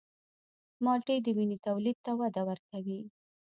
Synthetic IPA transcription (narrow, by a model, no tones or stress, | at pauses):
mɑʈed̪əwinit̪awlid̪̚t̪awad̪awəɾkawi